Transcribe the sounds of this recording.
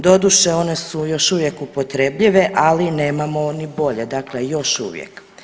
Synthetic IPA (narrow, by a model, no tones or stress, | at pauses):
d̪o̞d̪uʃeo̞ne̞sujo̞ʃuʋje̞kupo̞t̪ɾebʎiʋeʔalineːmamo̞nibo̞ʎe̞d̪akle̞jo̞ʃṵːʋjḛk